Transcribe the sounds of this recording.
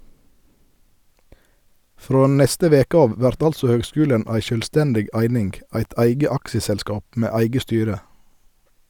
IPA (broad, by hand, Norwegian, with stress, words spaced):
ˈfɾoː ˈnɛstə ˈʋeːkə ˈɑːʋ ˈʋæɾt ˈɑlsɔ ˈhøːɡˌskʉːlən ˈæɪ ʃœlˈstɛndɪɡ ˈæɪnɪŋɡ ˈæɪt ˈæɪɡə ˈɑkʃəsɛlˌskɑːp ˈmeː ˈæɪɡə ˈstyːɾə